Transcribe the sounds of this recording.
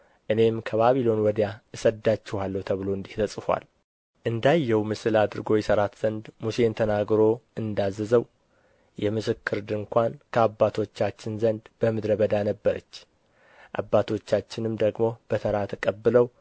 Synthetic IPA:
ʔɨne̞mkʰəβaβilo̞nwɔd̪jaɨsəd̪ːat͡ʃːɪhalːəwt̪ʰəβɨlo̞ɨnd̪iht̪ʰəsʼɨfʷa̰l | ʔɨnd̪ajːɛwmɨsɨlad̪ɨɾɡo̞jɛsəɾat̪z̥ənd̪muse̞nt̪ʰənaɡɾo̞ʔɨnd̪azːəzəw | jɛmɨsɨkʰːɨɾd̪ɨŋkʷankʰəabːat̪ʰo̞t͡ʃːat͡ʃːɪnzənd̪b̥əmɨd̪ɾəbəd̪anəbːəɾə̰t͡ʃː | ʔa̰bːat̪ʰo̞t͡ʃːat͡ʃːɪnɨmd̪əɡmo̞b̥ət̪ʰəɾat̪ʰəkʼəbːɨləw

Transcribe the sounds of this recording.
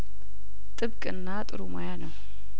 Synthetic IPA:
t̪ʼɨbkʼɨ̰nːat̪ʼɨ̰ɾuma̰janəw

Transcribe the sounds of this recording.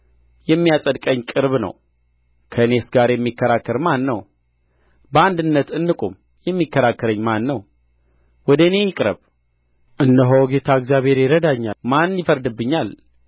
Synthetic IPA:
jɛmːijasʼəd̪kʼəɲːkʼɨɾβnə̰w | kʰəne̞sɡaɾjɛmːikːəɾakːəɾmanːəw | bəand̪ɨnːət̪ɨnːɨkʼum | jɛmːikʰːəɾakːəɾəɲːmanːəw | wɔd̪əɨne̞jɪkʼɾə̰β | ʔɨnːəɦowɡe̞t̪ʰaəɡzjaβhe̞ɾjɪɾəd̪aɲːamanjɪfəɾd̪ɨbːɨɲːal

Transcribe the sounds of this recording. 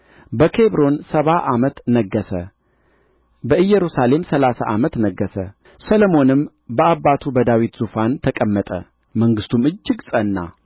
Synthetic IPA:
bəkʰeβɾo̞nsəβaʔamət̪nəɡːəsə̰ | bəʔɨjːɛɾusale̞msəlasa̰ʔamət̪nəɡːəsə | sələmo̞nɨm | bəaβːat̪ʰubəd̪awit̪z̥ufant̪ʰəkʼəmːət̪ʼə̰ | məŋɡɨst̪ʰumɨd͡ʒːɪɡsʼənːa̰

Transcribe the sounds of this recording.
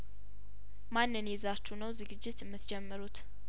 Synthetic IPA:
manːɨnjɛzat͡ʃːunəwzɨɡɨd͡ʒːɪt̪ɨmːɨt̪d͡ʒɛmːɨɾut̪

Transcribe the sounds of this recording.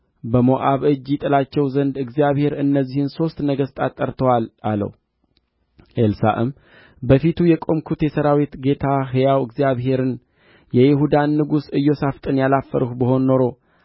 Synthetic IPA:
bəmo̞ʔaβɨd͡ʒjɪt̪ʼɨlat͡ʃːɛwzənd̪ɨɡzijaβhe̞ɾɨnːəzːihɨnso̞st̪nəɡəst̪ʼat̪ʼːəɾt̪ʰəwalalə̰w | ʔelsa̰ʔɨm | bəfit̪ʰujɛkʼo̞mkʰut̪jɛsəɾawit̪ɡe̞t̪ʰaɦɨjawɨɡzijaβɦe̞ɾɨn | jɛjɪɦud̪anːɨɡusɨjːo̞saft̪ʼɨnjalafːəɾuhbəho̞nːo̞ɾo̞

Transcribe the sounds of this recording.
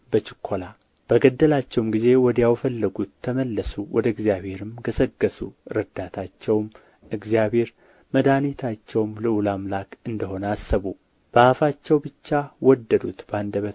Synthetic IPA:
bət͡ʃɪkʰːola | b̥əɡəd̪ːəlat͡ʃːɛwmɡize̞wɔd̪əjawfəlːəɡut̪ʰːəməlːəsuwɔd̪əɨɡzijaβhe̞ɾɨmɡəsəɡːəsuɾəd̪at̪ʰat͡ʃːɛwm | ʔɨɡzijabhe̞ɾ | məd̪anit̪ʰat͡ʃːɛwmlɨulamlakɨnd̪əɦo̞nəasːəβu | b̥əafat͡ʃːɛwbɨt͡ʃːawɔd̪ːəd̪ut̪band̪əβə

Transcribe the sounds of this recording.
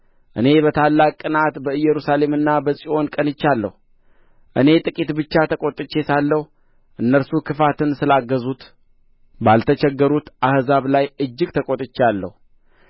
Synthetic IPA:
ʔɨne̞bət̪ʰalːakʼːɨnat̪bəɨjːɛɾusale̞mɨnːabəsʼiʔo̞nkʼənɨt͡ʃːalːə̰hu | ʔɨne̞t̪ʼɨkʼit̪bɨt͡ʃːat̪ʰəkʼot̪ʼɨt͡ʃːe̞salːəhu | ʔɨnːəɾsukʰɨfat̪ʰɨnsɨlaɡːəzut̪ | balt̪ʰət͡ʃɛɡːəɾut̪ʔahzaβlajɨd͡ʒːɪɡt̪ʰəkʼot̪ʼɨt͡ʃːalːə̰hu

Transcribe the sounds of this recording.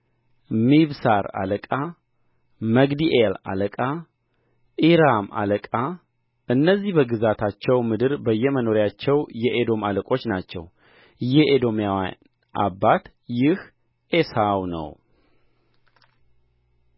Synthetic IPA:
miβsaɾa̰ləkʼa | məɡd̪iʔela̰ləkʼa | ʔiɾama̰ləkʼa | ʔɨnːəzːihbəɡɨzat̪ʰat͡ʃːɛwmɨd̪ɨɾbəjːɛməno̞ɾjat͡ʃːɛwjɛʔed̪o̞maləkʼo̞t͡ʃːnat͡ʃːɛ̰w | jɛʔed̪o̞mjaw | ʔa̰bat̪ | jɪh | ʔesawnə̰w

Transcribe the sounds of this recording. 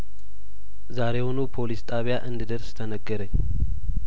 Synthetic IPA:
zaɾehonupʰo̞list̪ʼaβjaʔɨnd̪ɨd̪əɾst̪ʰənəɡːəɾəɲː

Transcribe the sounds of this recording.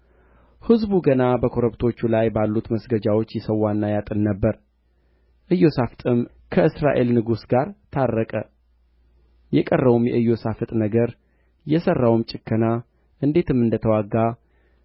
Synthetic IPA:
hɨzbuɡənabəkʰo̞ɾəbt̪ʰo̞t͡ʃːulajbalːut̪məsɡəd͡ʒawo̞t͡ʃːjɛsəwːanːajat̪ʼɨnnəbːəɾ | ʔɨjːo̞safɨt̪ʼɨm | kʰəɨsɾa̰ʔe̞lnɨɡusɡaɾt̪ʰarːəkʼə | jɛkʼərːəβumjɛʔɨjo̞safɨt̪ʼnəɡəɾ | jɛsərːawɨmt͡ʃʼɪkʰːəna | ʔɨnd̪e̞t̪ʰɨmɨnd̪ət̪ʰəwaɡːa

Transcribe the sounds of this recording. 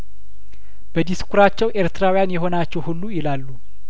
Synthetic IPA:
b̥əd̪iskuɾat͡ʃːɛwʔeɾt̪ʰɨɾawijanjɛɦo̞nat͡ʃːɛwhulːujɪlalːu

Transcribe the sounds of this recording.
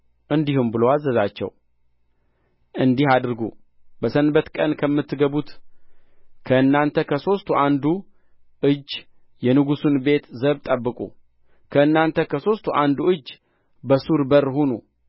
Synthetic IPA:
ʔɨnd̪ihumbɨlowazːəzat͡ʃːɛ̰w | ʔɨnd̪ihad̪ɨɾɡṵ | bəsənbət̪kʼənkʰəmːɨt̪ʰːɨɡəβut̪ | kʰəɨnːant̪ʰəkʰəso̞st̪ʰuʔand̪u | ʔɨd͡ʒː | jɛnɨɡusunbe̞t̪zəβt̪ʼəbːɨkʼṵ | kʰəɨnːant̪ʰəkʰəso̞st̪ʰuʔand̪uɨd͡ʒː | bəsuɾbəɾhonṵ

